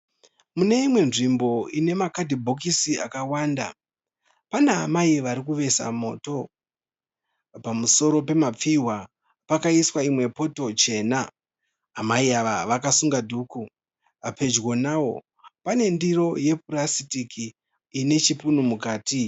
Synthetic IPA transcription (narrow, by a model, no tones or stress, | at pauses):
mune̞imwe̞nʐimbo̞ine̞makadʱibʱo̞k̬isia̰kawaːnda̰ | panea̰maiʋaɾikuʋe̞sa̰mo̞̰ːto̞ | pamuso̞ɾo̞pe̞map͡fiwa | pakaiswaimwe̞po̞to̞t͡ʃe̞ːnaː | maiaʋaʋakasuŋɡadʱuːku | apʰe̞d͡ʒɣwonawo̞̰ | pane̞ndiɾo̞je̞purasitikʰiː | ne̞t͡ʃipunumukaːti